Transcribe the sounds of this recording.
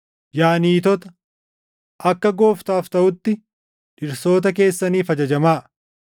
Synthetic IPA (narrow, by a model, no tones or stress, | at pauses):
jaːniːt̪ɔt̪ɐ̥ | ʔɐkːɐɡo̞ːft̪aːft̪ɐʔʊt̪ːɪ | ᶑɪɾso̞ːt̪ɐke̞ːsːɐniːfɐd͡ʒɐd͡ʒɐmaːʔ